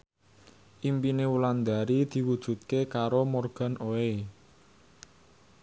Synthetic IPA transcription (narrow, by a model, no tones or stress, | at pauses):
ʔimpinewuland̪a̤ɾid̪̥i̤wud̥ʒ̥ṳt̪̚kekaɾomorɡ̥a̤nʔoe